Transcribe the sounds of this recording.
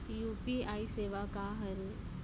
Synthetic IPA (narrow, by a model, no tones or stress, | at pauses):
juːpiaːiseːʋakãːɦɐɾu